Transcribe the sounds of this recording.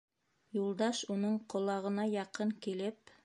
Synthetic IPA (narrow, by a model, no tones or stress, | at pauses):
julˠd̪ɑʃunɤɴqŏlˠɑʁɤ̆nɑjɑqɤɴkilɘp